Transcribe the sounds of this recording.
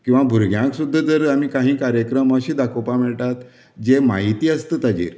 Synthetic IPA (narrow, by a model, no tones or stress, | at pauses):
kĩw̃ʋabʱuɾɡʱjãksud̪ʱːəd͡z̪əɾam̤iːkaɦĩːkaɾjəkɾəməɕiːd̪akopamɛɭʈ̪at̪ | d͡ʑemaɦit̪iːəst̪əːt̪ad͡ʑḭːɾ